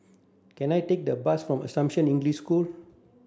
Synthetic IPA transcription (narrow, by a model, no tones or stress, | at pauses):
kɛ̃najtek̚dəbasfɹɔ̃mə̰sãmʃə̃nĩŋɡlisskul